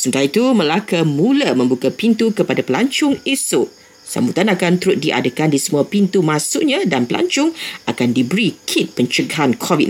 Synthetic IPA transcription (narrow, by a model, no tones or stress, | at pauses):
sunt̪ait̪uməlakamũləmə̃mbukapint̪ukəpadapəlaɲt͡ʃʊŋesʊʔ | sa̰mbut̪anakant̪əɾʊt̪̚diʔa̰dəkandisəmuapint̪umãsuʔɲãdanpəlʔa̰ɲt͡ʃʊŋʔakandibəɾikʰit̪̚pəɲt͡ʃəɡaɦankʰɔvit̚